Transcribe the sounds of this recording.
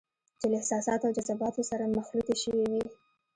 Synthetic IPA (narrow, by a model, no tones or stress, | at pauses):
d͡ʒəlɪhsɑsɑt̪awd͡ʒazabɑt̪osaɾamaxluk̪eʃəwiwi